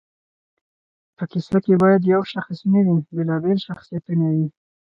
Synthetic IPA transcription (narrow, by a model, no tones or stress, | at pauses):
pəkɪsakebɑjad̪jawʃaxsunawibelɑbelʃaxsijat̪unawi